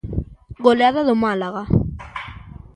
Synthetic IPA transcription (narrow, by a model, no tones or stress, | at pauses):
ɣoleaðaðomalaɣa